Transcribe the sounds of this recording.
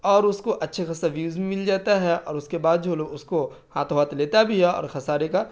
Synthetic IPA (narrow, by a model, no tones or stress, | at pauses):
ɔːɾʊskoʔɐtːʃʰexɐsaʋjuːzmĩmɪld͡ʒaːt̪aɦɛɔ̰ːɾʊskebaːd̪̚d͡ʒʱoːloʔʊsko | haːt̪ʰoʋaːt̪leːt̪abʱiɦɛɔ̰ːɾxɐsaːɾeka